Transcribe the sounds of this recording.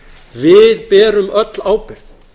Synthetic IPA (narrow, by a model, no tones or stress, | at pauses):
vɪðpɛːɾʏmœt̪laːwpɪɾθ